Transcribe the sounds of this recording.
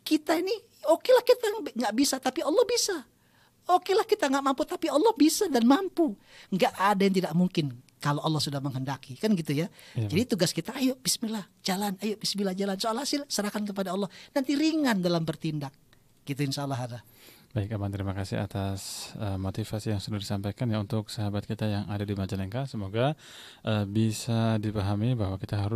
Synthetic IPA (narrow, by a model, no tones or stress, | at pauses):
kit̪aini | okelahkit̪aŋɡaʔbisat̪apiɔlːɔhbisa | okelahkit̪aŋɡaʔmamput̪apiɔlːɔhbisadanmampu | ŋɡaʔadajaŋt̪idaʔmuŋkɪn | kaloʔalːɔhsudahməŋɦəndakikanɡit̪ujad͡ʒadit̪uɡaskit̪aːjoʔb̥ismilahd͡ʒalanajoʔ̚bismilahd͡ʒalansoalhasɪlsəɾahkankəp̬adaɔlːɔhnant̪iɾiŋandalambərt̪indak̚ | ɡ̥it̪̬uinʃaːlːɔɦada | b̥aɪkamat̪əɾimakasɪ̰ha̰t̪asəmot̪ifasijaŋsudahdisampajkanjaunt̪ʊksaɦabat̪̚kit̪ajaŋadadimad͡ʒalɛŋkasəmoɡa | ʔəbisadipaɦamibahwakit̪aɦaɾʊ